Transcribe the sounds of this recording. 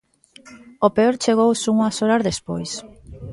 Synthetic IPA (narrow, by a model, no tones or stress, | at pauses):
opeoɾt͡ʃeɣ̞owsuŋasoɾazðespo̰js